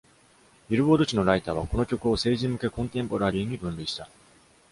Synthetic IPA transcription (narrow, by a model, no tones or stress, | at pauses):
iɾɯ̟bo̞ːd̪o̞t͡ɕino̞ɾait̪aːβ̞ako̞nokʲo̞kɯ̟o̞se̞ːʑimɯ̟ke̞kõ̞nt̪ẽ̞mpo̞ɾaɾʲiːɲ̟ibɯ̟̃nɾʲɯ̟iɕi̥t̪a